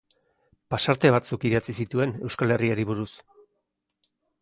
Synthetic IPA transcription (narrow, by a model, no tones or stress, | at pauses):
pasaɾt̪e̞β̞at͡sukiðat͡sisit̪ue̞ne̞wskale̞riaɾiβ̞uɾus